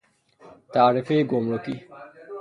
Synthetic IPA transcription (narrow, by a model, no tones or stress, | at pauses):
t̪aːɾefejɡomɾoki